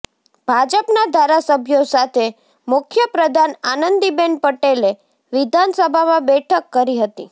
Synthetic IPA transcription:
b̥ʱad͡ʒəpnad̪ʱaɾasəbʱjosat̪ʰe | mʊkʰjəpɾəd̪ʱananənd̪ibenpəʈele | ʋɪd̪ʱansəbʱamãbɛʈʰəkːəɾiɦət̪i

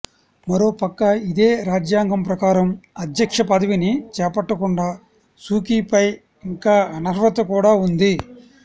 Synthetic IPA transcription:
mɐɾo̞ːpɐkːɐid̪eːɾaːd͡ʒjaːŋɡɐmpɾɐkaːɾɐmɐd̪jɐkʂɐpɐd̪ɐʋinit͡ʃɛːpɐʈːɐkuɳɖaː | suːkiːpɐj | iŋkaːɐnɐɾʋɐt̪ɐkuːɽaːund̪i

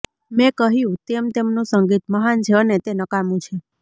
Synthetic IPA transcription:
mɛ̃kəɦjũt̪emt̪emnũsəŋɡit̪məɦant͡ʃʰeənet̪enəkamũt͡ʃʰe

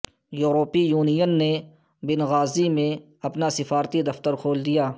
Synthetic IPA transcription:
juːɾoːpijuːnijənːe | bɪnɣaːzimẽ | ɐpnasɪfaːɾt̪id̪ɐft̪əɾkʰoːld̪ijaː

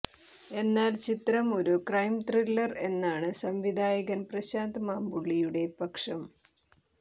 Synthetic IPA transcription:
e̞nːaːlt͡ɕit̪ɾɐmo̞ɾukrɐjmt̪rilːɐre̞nːaːɳɨsɐmʋid̪ʱaːjɐɣɐnprɐɕaːnd̪ɐmaːmbuɭːijuɽe̞pɐkʂɐm

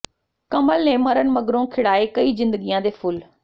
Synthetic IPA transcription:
kɐməlnẽmɐɾənɪ̆mɐɡɾõkʰɪɽaːekɐizɪ̃nd̪əɠijãd̪eːfʰʊl

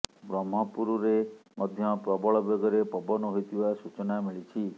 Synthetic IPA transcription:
bɾɔmɦɔpuɾuɾemɔd̪ʱjɔpɾɔbɔɭɔbeɡɔɾepɔbɔnɔɦojt̪ʰibasut͡ʃɔnamiɭit͡ʃʰi

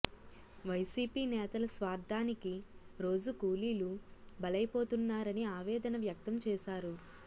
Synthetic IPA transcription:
ʋɐjsiːpiːnɛːt̪ɐlɐsʋaːɾd̪ʱaːnikiɾo̞ːd͡ʒukuːliːlubɐlɐjpo̞ːt̪unːaːɾɐniaːʋɛːd̪ɐnɐʋjɐk̚t̪ɐmt͡ʃɛːʃaːɾu

